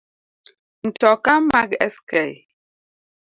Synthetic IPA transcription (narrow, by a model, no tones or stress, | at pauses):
n̩tɔkamakɛskɛj